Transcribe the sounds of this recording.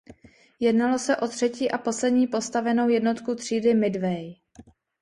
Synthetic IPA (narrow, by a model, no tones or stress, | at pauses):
jɛdnalo̞sɛʔo̞t̪r̝̥ɛciːʔapo̞slɛdɲiːpo̞st̪avɛno̞wjɛdno̞t̪kut̪r̝̥iːdɪmɪdvɛj